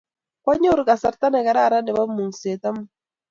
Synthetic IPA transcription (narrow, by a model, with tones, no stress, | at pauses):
kwa˦ɲo˦ɾka˨sa˨ɾt̪a˦nɛ˨ka˨ɾa˦˨ɾa˦nɛ˨βa˦mu˨ŋse˨t̪a˦mu˦